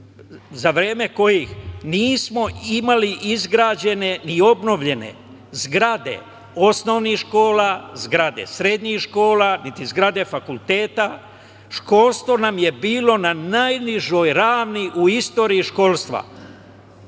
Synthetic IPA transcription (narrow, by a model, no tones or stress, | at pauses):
zaʋɾe̞ːme̞ko̞jixniːsmo̞imaliʔizɡɾaːd͡ʑe̞ne̞nio̞bno̞ʋʎe̞ne̞̰ | zɡɾad̪e̞̰ | o̞sno̞ʋnixʃko̞ːlazɡɾad̪e̞̰sɾe̞d̪ɲixʃko̞ːlanit̪izɡɾad̪e̞fakulˠt̪e̞ːt̪a | ʃko̞ːlst̪ʋo̞namje̞biːlo̞nanajniʒojɾaːʋniʔuist̪o̞ːɾiːʃko̞lˠst̪ʋa̰